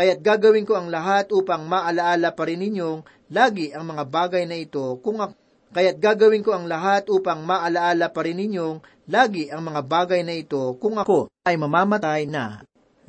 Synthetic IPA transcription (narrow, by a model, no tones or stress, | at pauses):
kɐjat̪̚ɡaːɡɐwɪnko̞ɐŋlɐɦat̪̚ʔuːpɐŋmaʔɐlɐʔaːlɐpɐɾɪnːɪɲjo̞ŋ | laːɡɪʔɐŋmɐŋabaːɡɐjnɐɪt̪o̞kʊŋʔɐ | kɐjat̪̚ɡaːɡɐwɪnko̞ʔɐŋlɐɦat̪̚ʔuːpɐŋmaʔɐlɐʔaːlɐpɐɾɪnːɪɲjo̞ŋ | laːɡɪʔɐŋmɐŋabaːɡɐjnɐɪt̪o̞kʊŋʔɐko̞ʔɐjmɐmaːmɐt̪ajnɐ